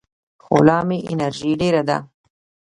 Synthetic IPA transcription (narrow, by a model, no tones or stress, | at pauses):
xo̰lɑːmiʔɪnaɾʒiɖeɾad̪a̰